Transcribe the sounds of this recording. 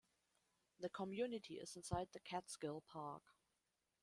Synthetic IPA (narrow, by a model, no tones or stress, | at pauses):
ðəkʰəmjʉnɨtʰiɪ̰z̥ɪ̃nsaɪd̪̚ðɨkʰætskɪlˠpʰɑɹk